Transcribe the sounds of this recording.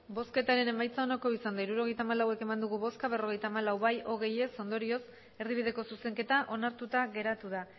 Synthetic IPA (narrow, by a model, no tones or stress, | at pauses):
bo̞ske̞t̪aɾe̞ne̞majt͡sao̞nako̞isand̪aiɾuɾo̞ɣ̞e̞jt̪aːmalawe̞ke̞mand̪uɣuβo̞skaβe̞ro̞ɣe̞jt̪aːmalawβajo̞ɣ̞e̞je̞so̞nd̪o̞ɾio̞s | e̞ɾðiβiðe̞ko̞suse̞ŋke̞t̪aʔo̞naɾt̪ut̪aɣe̞ɾat̪uð̞a